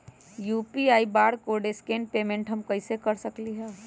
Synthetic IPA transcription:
jupiaːibaːɽkoɖeskenpeːmẽɳʈɦəmkəɪsekəɾsəkliɦɛː

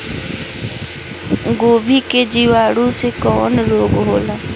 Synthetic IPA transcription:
ɡoːbʱiːked͡ʒiʋaːɽũsekɔːnɾoːbɦoːlaː

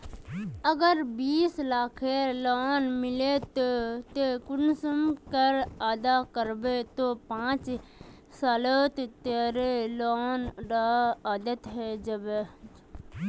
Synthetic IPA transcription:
əɡəɾbiːslaːkʰeloːnmɪlet̪ot̪ekʊnsəmkəɾaːd̪akəɾbet̪opãːt͡ʃ | saːlət̪t̪eːɾeloːnɖaaːd̪ət̪ɦɛd͡ʒɐb

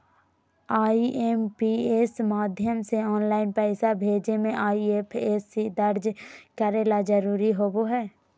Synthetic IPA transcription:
aːiʔempieːsmaːd̪ʱjəmseɔːnlaːɪnpɛːsabʱeːd͡ʒnemẽʔaːieːpʰeːsid̪əɾd͡ʒkəɾeːlad͡ʒəɾuːɾiɦoːboɦɛː

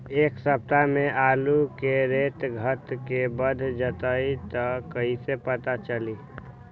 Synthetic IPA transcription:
eːksəp̚t̪amẽʔaːlukeɾet̪ɡʱət̪kebəd̪ʱd͡ʒət̪əit̪əkəisepət̪at͡ʃəli

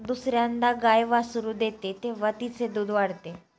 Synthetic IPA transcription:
d̪usɾjand̪aɡajʋasuɾud̪et̪et̪eʋət̪it͡sed̪uːd̪ʱʋaɽt̪e

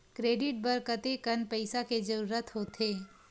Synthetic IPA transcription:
kɾeːɖɪʈ̚bɐɾkət̪ekɐnpɐɪsaked͡ʒɐɾuːɾət̪ɦot̪ʰeː

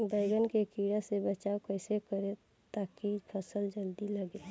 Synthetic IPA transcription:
bəɪɡənkekiɽasebət͡ʃaːokəɪsekəɾe | t̪aːkipʰəsəld͡ʒəld̪iləɡe

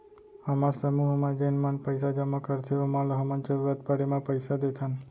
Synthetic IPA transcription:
əmaɾsəmuɦmãd͡ʒənmãnpəjsad͡ʒaməkəɾt̪ʰeomalɦəmənt͡ʃəɾuɾat̪̚pəɽemãpəjsad̪et̪ʰan

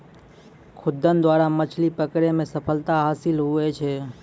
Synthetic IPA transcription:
kʰʊd̪ːənd̪waːɾamət͡ʃʰlipəkɾemẽsəpʰəlt̪aɦaːsɪlɦʊet͡ʃʰe

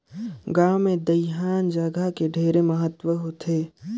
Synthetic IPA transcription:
ɡaːwmẽd̪əɪɦaːnd͡ʒəɡakeɖʱeːɾeməɦət̪wəɦot̪ʰeː

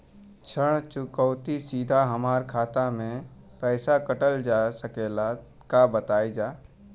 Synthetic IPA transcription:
t͡ʃʰəɽ̃t͡ʃʊkɔːt̪isiːd̪ʱaɦəmaːɾkʰaːt̪amẽ | pɛːsakəʈəld͡ʒaːsəkeːla | kabət̪aːid͡ʒaː

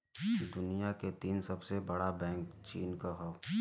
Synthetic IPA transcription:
d̪ʊnijaket̪iːnsɐbsebɐɽabɛ̃ːŋkt͡ʃiːnkaɦo

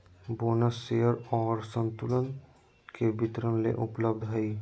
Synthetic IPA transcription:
boːnəsːejəɾɔːɾsə̃nt̪ʊlən | kebɪt̪ɾənlḛʔʊpləb̚d̪ʱɦəi

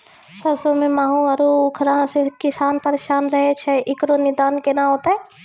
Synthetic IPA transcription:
sɐsomẽmaːɦũɐɾuʊkʰɾaɦãsekɪsaːnpɐɾeːʃaːnɾɐɦet͡ʃʰɛʔɪkɾonɪd̪aːnkenãɦoːt̪aɛ

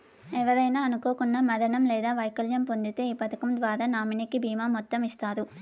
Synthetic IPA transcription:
ɛʋɐðɐjnaːɐnuko̞ːkunːɐmɐd̪ɐɳɐmlɛːd̪aːʋɐjkɐljɐmpond̪it̪e̞ːiːpɐt̪ɐkɐmd̪ʋaːɾaːnaːminɐkibʱiːmaːmɔt̪ːɐmist̪aːɾu

